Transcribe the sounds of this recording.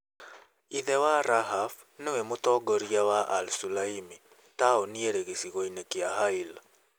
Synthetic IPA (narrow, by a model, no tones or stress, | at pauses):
iðɛwaɾaɦaf | newɛmotɔɡɔɾiawaʔalsulaimi | taɔnieɾeɣesiɣɔinekeaɦaila